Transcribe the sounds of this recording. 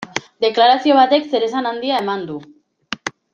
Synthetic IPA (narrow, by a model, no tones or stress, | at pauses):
d̪e̞klaɾasio̞β̞at̪e̞kse̞ɾe̞sanand̪iae̞mand̪u